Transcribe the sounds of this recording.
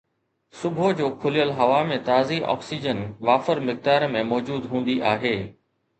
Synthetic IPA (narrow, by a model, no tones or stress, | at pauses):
sʊbʱod͡ʑoːkʰʊlijəlɦɐʋamẽt̪aːziʔɔ̰ːksid͡ʑənʋaːfəɾmɪk̚d̪aːɾmẽmɔːd͡ʑuːd̪ɦũːn̆d̪iʔaːɦeː